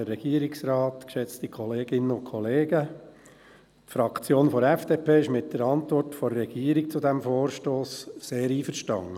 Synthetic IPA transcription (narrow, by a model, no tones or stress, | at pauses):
əɛɡ̥iːəɾɪksɾɑːtkʃɛt͡stikʰɔleːɡɪnːənʊkʰɔleːɡə | tfɾɑkt͡sjoːnfɔɾɛfd̥eːpʰeːɪʃmɪt̚d̥əɾɑntʋɔrtfɔːɛɡ̥iəɾik̚t͡sʊdæmfoːɾʃtoːsseːɾiːfəɾʃtɑ̰ŋə